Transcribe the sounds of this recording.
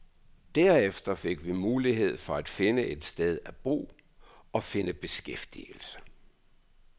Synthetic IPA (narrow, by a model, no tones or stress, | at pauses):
d̥æɐ̰efd̥ɐfe̝ɡ̥ʋimuːliɦe̝ð̞̰ˠfɒ̽æd̥fe̝nəʔe̝d̥sd̥eð̞ˠæb̥ʁṵː | ɒ̽fe̝nəb̥e̝sɡ̥efd̥ḭl̩sə̥